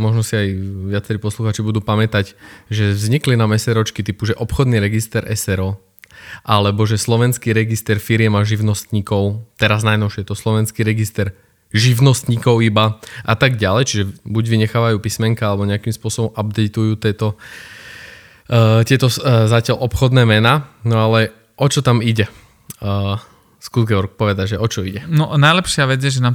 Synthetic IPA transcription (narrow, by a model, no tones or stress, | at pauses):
mɔʒnɔsiajʋɪat͡sɛɾiːpɔsluxaːt͡ʃibud̪uːpamɛt̪aɟʒɛvzɲiklinamɛsɛɾɔt͡ʃkit̪ipuʒɛʔɔpxɔd̪niɾɛɡist̪ɛɾʔɛ̰sɛɾɔ | ʔalɛbɔʒɛslɔʋɛnskiɾɛɡist̪ɛɾfiɾɪjɛmaʒiʊnɔst̪ɲiːkɔʊt̪ɛɾaznajnɔʊʃɛjɛt̪ɔslɔʋɛnskiɾɛɡist̪ɛɾ | ʒiʋnɔst̪ɲikɔʊibaʔat̪aɡɟalɛjt͡ʃiʒɛbuɟʋiɲɛxaːʋajuːpismɛŋkaalɛbɔɲɛakimspʊɔsɔbɔmabd̪ɛɪt̪ujuːt̪ɪɛt̪ɔ | t̪ɪɛt̪ɔzacɪalʔɔpxɔd̪nɛːmɛnaːnɔalɛ | ʔɔt͡ʃɔt̪amiɟɛ | skuzɡɛɔɾk̚pɔʋɛd̪aɟʒɛʔɔt͡ʃɔiɟɛnɔnajlɛpʃɪaʋɛd͡zjɛʒɛna